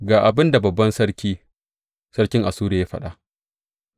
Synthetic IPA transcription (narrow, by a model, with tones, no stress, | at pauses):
ɡaː˨ʔa˨bɪ˦nda˨bɐ˨bːɐ˦nsɐ˦ɾkʲiː˦ | sɐ˦ɽkʲɪ˦ŋʔa˨suː˦ɾe˨ja˦ɸɐ̰˦˨ɗaː˦˨ʔ